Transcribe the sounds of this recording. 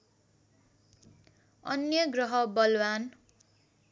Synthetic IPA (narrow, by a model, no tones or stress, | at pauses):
ʌnjʌɡrʌɦʌbʌlwan